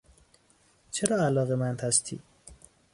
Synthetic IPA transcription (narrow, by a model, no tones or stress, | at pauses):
t͡ʃʰeɾɑalɑɣemant̪hast̪ʰḭ